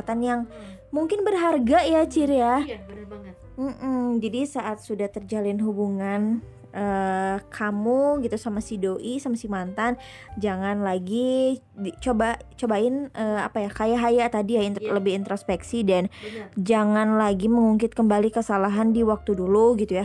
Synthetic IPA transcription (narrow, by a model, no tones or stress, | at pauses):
t̪anjaŋmuŋkɪnbərɦarɡajat͡ʃiɾia | m̩ʔm̩d͡ʒadisaʔat̪̚sudaht̪ərd͡ʒalɪnɦubuŋan | ʔəkʰamuɡit̪usamasidoʔisamasimant̪an | d͡ʒaŋanlaɡi | dit͡ʃobat͡ʃobaɪnəa̰pajakajaɦajat̪adiailəbɪhint̪ɾospɛksidand͡ʒaŋanlaɡiməŋuŋkɪt̪̚kəmbalikəsalaɦandiwak̚t̪uduluɡit̪uja